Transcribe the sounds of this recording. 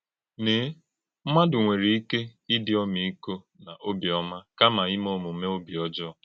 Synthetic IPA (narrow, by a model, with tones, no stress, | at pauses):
nɪ˨˦ | m̩˦ma˦dʊ˨ŋʷe˨ɾi˨i˦ke˦i˦dɪ˨˦ɔ˦mi˨i˦ko˦ | na˨ʔo˦bi˨ɔ˦ma˦ka˦ma˨ɪ˦mo˦˨mʊ˨˦me˦o˦bi˨ɔ˦d͡ʒɔ˦˨